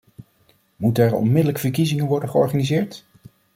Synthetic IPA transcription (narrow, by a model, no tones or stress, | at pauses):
mutəɛɹɔ̰nmɪdələkfəɹkizɪŋənʋɔɹdəχəɔɹχanizɪːɹt